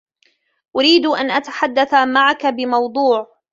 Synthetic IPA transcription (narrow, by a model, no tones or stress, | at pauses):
ʔʊɾiːd̪ʔanʔat̪ḁħad̪ːaθamaʕakabɪmɑwd̪ˤuːʕ